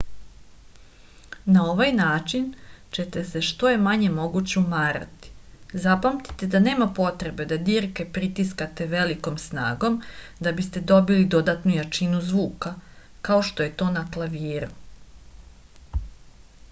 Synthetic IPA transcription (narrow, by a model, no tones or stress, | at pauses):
nao̞ʋajnaːt͡ʃint͡ɕe̞t̪e̞se̞ʃt̪o̞je̞maɲe̞mo̞ɡut͡ɕeumaːɾa̰t̪i̥zapamt̪i̥t̪e̞d̪ane̞ːmapo̞t̪ɾe̞be̞d̪ad̪iːɾke̞pɾit̪iskat̪e̞ʋe̞liko̞msna̰ːɡo̞md̪abist̪e̞d̪o̞bilid̪o̞d̪at̪nujat͡ʃinuzʋuːkakao̞ʃt̪o̞je̞t̪o̞ːnaklˠaʋiːɾu